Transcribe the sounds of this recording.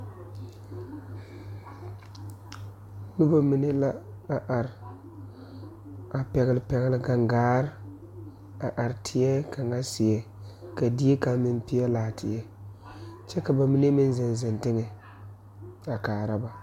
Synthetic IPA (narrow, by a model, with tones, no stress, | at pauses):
nʊ˦ba˦mi˨ne˦la˦a˨ʔa˨ɾɪ˨ | a˨pɛ˨ɣɪ˨lɪ˨pɛ˨ɣɪ˦lɪ˦ɡa˨ŋɡaː˦ɾ | a˨ʔa˨ɾɪ˨tʰɪ˨jɛ˦ka˨ŋa˦sɪ˨ɛ˨ | ka˨di˦e˦ka˦mɪ˦˨n˦pɪ˦jɛ˦laː˨tʰɪ˨jɛ˦ | t͡ʃɛ˦ka˨ba˨mi˦ne˦mɪ˦n˦zɪ˨n˨zɪ˨ntɪ˦ŋɛ˨ | a˨kaː˨ɾa˦ba˨